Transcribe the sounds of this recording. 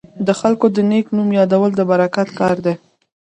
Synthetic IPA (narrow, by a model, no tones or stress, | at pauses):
d̪əxalkod̪əneknumjɑd̪awəld̪əbaɾakat̪kɑɾd̪e